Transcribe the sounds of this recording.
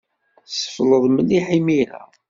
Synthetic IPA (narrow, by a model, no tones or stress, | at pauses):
sə̥fləðˤməniħimiɾæ̰